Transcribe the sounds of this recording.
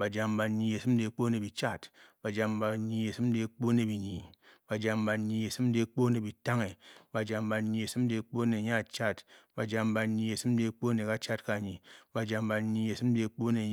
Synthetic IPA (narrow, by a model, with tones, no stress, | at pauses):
ba˨d͡ʒa˨mba˨ɲːi˨e˨sɨ˦m˦de˨˦k͡po˦ne˨bi˨t͡ʃa˦˨tba˨d͡ʒa˨mba˨ɲi˨e˨sɨ˦m˦de˨˦k͡po˦ne˨bi˨ɲi˨b̥a˨d͡ʒa˨mba˨ɲːi˨e˨sɨ˦m˦de˦k͡po˦ne˨bi˨ta˦ŋe˨ba˨d͡ʒa˨mba˨ɲi˨e˨sɨ˦m˦de˨˦k͡po˦ne˨ɲa˦˨t͡ʃa˦tba˨d͡ʒa˨mba˨ɲːi˨e˨sɨ˦m˦de˨˦k͡po˦ne˨ka˦t͡ʃa˦tka˨ɲi˨ba˨d͡ʒa˨mba˨ɲi˨e˨sɨ˦m˦de˨˦k͡po˦ne˨